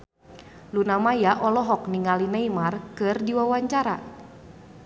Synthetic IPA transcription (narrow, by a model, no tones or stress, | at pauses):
lunamajaʔɔlɔɦɔk̚niŋalinajmarkɨrdiwawaɲt͡ʃaɾa